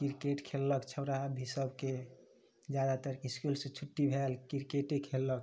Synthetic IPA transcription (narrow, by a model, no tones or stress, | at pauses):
kiɾkeʈkʰelːəkt͡ʃʰəɾabʱisəbke | d͡ʒjad̪at̪əɾkiskulsẽt͡ʃʰuʈːibʱelkiɾkeʈekʰelːək